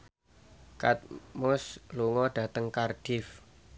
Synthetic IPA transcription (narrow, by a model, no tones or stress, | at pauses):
kat̪̚mʊsluŋɔɖ̥a̤t̪əŋkarɖ̥if